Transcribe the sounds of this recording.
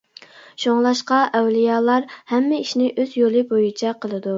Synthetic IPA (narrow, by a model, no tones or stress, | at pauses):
ʃoŋlˠɑʃqɑʔɛwlijɑːlˠɑɾhɛmːɪiʃnɪʔøzjolˠɨbojit͡ʃʰɛqʰəlˠɨd̪u